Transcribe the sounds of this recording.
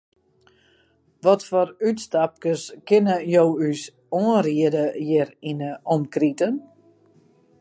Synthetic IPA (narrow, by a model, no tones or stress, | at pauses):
ʋɔtfɔrytstap̚kəskɪnəjowys | oənriədəjɪrinəʔɔmkritən